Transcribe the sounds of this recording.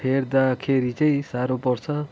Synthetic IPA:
pʰerd̪akʰeɾit͡saĩsaɾopʌrt͡sʰʌ

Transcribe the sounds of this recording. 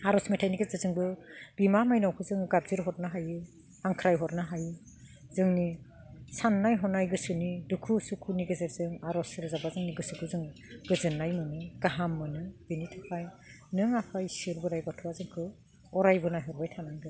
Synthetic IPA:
aɾɔsmejtʰajniɡezɯzɯŋbɯb̥imamajnawkʰɯzɯŋɡab̚ziɾɦɔt̚naɦajɯ | haŋkʰɾajɦɔt̚naɦajɯ | zɯŋni | sanːajɦɔnajɡɯsɯnidukʰusukʰuniɡɯzɯɾzɯŋaɾɔsɯɾzabazɯŋniɡɯsukʰɯzɯŋɡɯzɯnːajmɯnɯɡ̥aɦamːɯnɯb̥initʰapʰaj | nɯŋapʰajsiɾbɯɾajbatʰuazɯŋkʰɯ | ɔɾajbɯnajɦɔɾbajtʰanandɯ

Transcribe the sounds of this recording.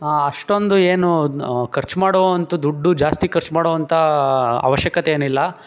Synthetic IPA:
aɐʂʈo̞nd̪ueːnukʰɐɾt͡ʃmaːɽoːɐnt̪ud̪uɖːud͡ʒaːst̪ikɐɾt͡ʃmaːɽoːʋɐnt̪ʰɐa̰ːʋɐʃjɐkɐt̪eeːnilːɐ

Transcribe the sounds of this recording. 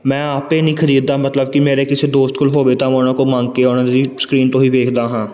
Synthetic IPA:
mɛ̃ːaːpeːnĩːkʰəɾiːd̪̚d̪aːmət̪ləb̚kɪmeːɾeːkɪseːd̪oːst̪̚kʊlɦoːʋeːt̪ãːmoːnãːkoːmãːŋɡkeːonãːd̪iːskɾiːnt̪õːɦiːʋeːkʰd̪aːɦãː

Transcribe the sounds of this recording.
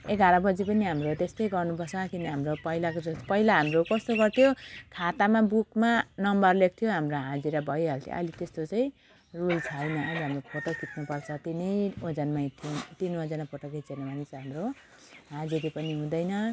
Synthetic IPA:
eɡaɾʌbʌd͡zipʌniɦamrot̪est̪ʌjɡʌrnupʌrt͡sʰʌkiniɦamropʌilakod͡zʌpʌilaɦamrokʌst̪oɡʌrt̪ʰijokʰat̪amabukmanʌmbʌrlek̚t̪ʰjoɦamroɦãd͡ziɾabʱʌjɦʌlt̪ʰḭʔʌ̰lit̪est̪ot͡saĩ | rult͡sʰajnʌʔʌliɦamrokʰot̪ʌkit̪nupʌrt͡sʰʌt̪inejod͡zanmait̪ʰint̪inmad͡zanapʌʈʌket͡senamanit͡sɦamro | ɦãd͡ziɾipʌniɦũd̪ʌjnʌ

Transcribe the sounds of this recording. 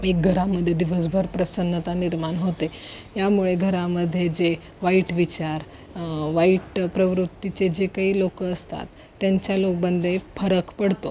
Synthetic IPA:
ek̚ɡʱəɾaməd̪ʱːjed̪iʋəs̬bʱəɾpɾəsənːət̪aniɾmanɦot̪ejamuɭeɡʱəɾaməd̪ʱːjed͡ʑe | ʋaiʈʋit͡ɕaɾ | ʋaiʈpɾəʋɾut̪ːit͡ɕed͡ʑekaɦiːlokəːst̪a̰t̪ːjaɲt͡ɕjalok̚bənd̪ʱefəɾəkpəɽ̤t̪o

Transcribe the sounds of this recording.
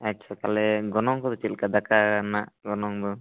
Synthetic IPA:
atːt͡ʃʰakalɛɡɔnɔŋkɔd̪ɔt͡ʃilkad̪akanaʔɡɔnɔŋd̪ɔ

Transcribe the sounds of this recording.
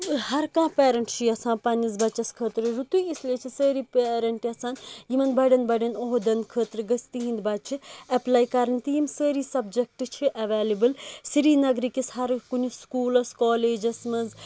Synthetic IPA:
hɐɾkãːpeːɾɐɳʈt͡ʃʰiɐsãːnpɐnɐzbɐt͡ʃːɐskʰəːt̪ɾɨɾut̪uisliet͡ʃʰisəːɾipeːɾɐɳʈiɐsãːnjimɐnbɐɖɐnbɐɖɐnoɦd̪ɐnkʰəːt̪ɾɨɡəst̪iɦĩnd̪bɐd̪̚t͡ʃʰiɐplaːjkɐɾɐnt̪ijimsəːɾisɐbd͡ʒɐk̚ʈt͡ʃʰiʔɐʋeːlibɨlsiɾiːnɐɡɾikishɐɾkuniskuːlɐskoːleːd͡ʒɐsmɐnz

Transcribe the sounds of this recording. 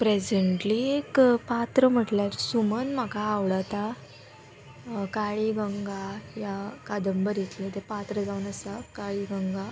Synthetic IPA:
pɾesəɳʈliekpat̪ɾəm̤əʈlaɾsumənm̤akaːwɽat̪a | kaɭiɡəŋɡajakad̪əmbəɾjet̪lẽt̪epat̪ɾəd͡zaunəsakaɭiɡəŋɡa

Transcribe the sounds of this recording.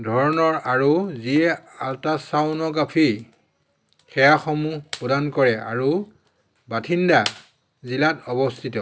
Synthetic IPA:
dʱɔɹɔnɔɹaɹuziɛaltasawnɔɡapʰi | xɛjaxɔmupɔdankɔɹɛa̰ɹu | batʰinda | zilatɔbɔstʰitɔ

